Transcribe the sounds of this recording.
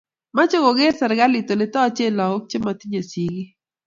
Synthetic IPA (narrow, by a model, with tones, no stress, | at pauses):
ma˦t͡ʃo˦ɡo˨ɡe˦rsɛ˨ɾɡa˦lɪ˨t̪o˨lɪ˦t̪ɔ˦t͡ʃe˦˨lɔ˨o˦k̚t͡ʃe˦ma˨t̪i˦ɲe˨si˨ɡi˦